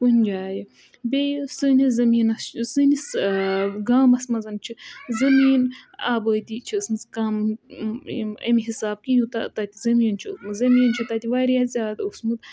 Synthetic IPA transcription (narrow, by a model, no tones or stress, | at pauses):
kunʲd͡ʒaːji | bejsɨnizɐmiːnɐst͡ʃsɨnis | ɡaːmɐsmɐzɐnt͡ʃʰizɐmiːna̰ːbəːt̪it͡ʃʰiɐsmɨzkaːm | ɐ̰miɦisaːb̚kijut̪a̰t̪at̪ʲizɐmiːnt͡ʃʰismɨzɐmiːnt͡ʃʰit̪at̪ʲiʋaːɾjazʲaːd̪usmɨt̪